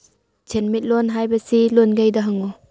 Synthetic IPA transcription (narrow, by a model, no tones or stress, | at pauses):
t͡ʃʰenmit̚lonɦajbɐsilonɡajdɐɦaŋu